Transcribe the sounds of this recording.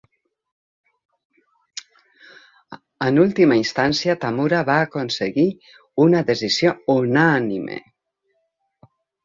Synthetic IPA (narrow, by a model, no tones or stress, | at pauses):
ənulˠt̪imainst̪ansjat̪amuɾaβaːkonsəɣi | unaðəzizjounanimʔḛ